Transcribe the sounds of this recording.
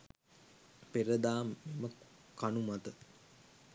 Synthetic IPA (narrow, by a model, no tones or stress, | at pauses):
peɾəd̪aːmːiməkanumat̪ə